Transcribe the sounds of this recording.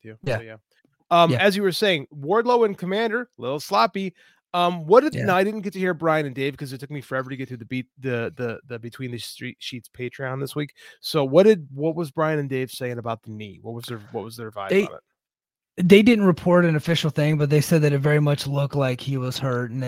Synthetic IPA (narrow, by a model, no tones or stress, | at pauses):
jʉjjæ | ʌ̃mɨzjɨwə˞seɪɪ̃ŋwɔɹdˡloʊɨ̃nkʰəmæ̃ndə˞lɪɾl̩ˠslɑpi | ʌ̃mwʌt̚d̥ɨdnaɪɾɪdⁿn̩ɡ̥ɛtɨhiɹbɹaɪɨ̃nɨ̃ndeɪv̥kʰʌzɨtʰʊk̚mifə˞ɛvə˞ɾɨɡɛt̪θʉðɨbitðɨðɨðɨbɨtʰw̥ĩnðɨstɹ̥itʃitspʰeɪtɹ̥iãʊ̃nðɪswiksoʊwʌt̚d̥ɨd̚wʌt̚wʌzbɹaɪɨ̃nɨ̃ndeɪv̥seɪɪ̃ŋɨbaʊt̪̚ðənḭwʌ̰t̚wʌzðə˞wʌt̚wʌzðə˞ɨva̰ɪveɪ̰t̚ | ðeɪdɪdⁿn̩t̚ɹɨpʰɔɹɾɨ̃nɨfɪʃl̩ˠθɪ̃ŋbʌt̪̚ðeɪsɛd̪̚ðɨɪɾɨvɛɹimʌt͡ʃlʊklaɪkhiwʌz̥hɜ˞tn̩